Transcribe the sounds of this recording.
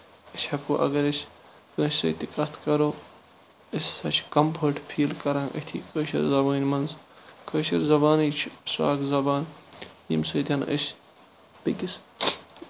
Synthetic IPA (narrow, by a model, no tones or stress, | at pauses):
isʲhɐkuːʔɐ̰ɡɐɾisʲ | kə̃ːssɐ̰ːt̪ikɐt̪ʰkɐɾoː | isʲsɐt͡ʃʰkɐmpʰəːɾʈpʰiːlkɐɾãːʔə̰t̪ʰḭːkəːʃɐ̰ɾzɐbɐːnʲmɐnzkəːʃɐɾzɐbaːniːt͡ʃʰsa̰ːɡzɐbaːnjḭmsɨːt̪ʰʲɐnʔə̰sʲ | b̥iɡʲis